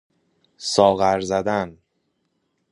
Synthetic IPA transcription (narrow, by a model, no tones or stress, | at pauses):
sɒːɣæɾzæd̪æn